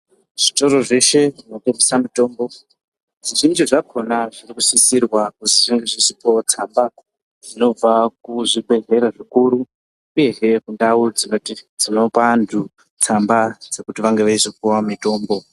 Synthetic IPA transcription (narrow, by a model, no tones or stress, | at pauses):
ʐ̥ito̞ɾo̞ʐe̞ʃe̞ʐinokemisamito̞ːmbo̞ | ʐiʐind͡ʒiʐakʰo̞naʐirikusisirwakuziʐiŋd͡ʒiʐisipot͡samba | d͡zino̞b͡vakuʐibe̞ɮe̞ɾaʐikuɾuː | je̞ɦekundaud͡zinotid͡zino̞pandu | t͡sambad͡ze̞kutiʋaŋɡeʋaizokuwamito̞ːmbo̞